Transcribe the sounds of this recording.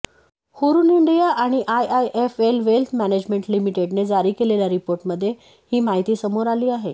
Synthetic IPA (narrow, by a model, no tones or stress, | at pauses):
huɾuːniɳɖijaʔaɽ̃iʔajajʔefelʋelt̪ʰmæned͡ʑmeɳʈlimiʈeɖned͡zaɾiːkeleljaɾipoɾʈməd̪ʱːje | hiːmaɦit̪iːsəmoɾaliːaɦe